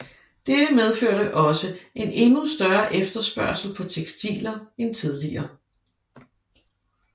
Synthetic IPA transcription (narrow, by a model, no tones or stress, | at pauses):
d̥ed̥əmeð̞ˠføɐ̰ɾ̥əʔɒ̽səe̝ne̝nusd̥ɶɐʔefd̥ɐsb̥ɶɐsl̩pʰɒ̽t͡sʰeɡ̥sd̥ḭːlɐent͡sʰið̞ˠliɐː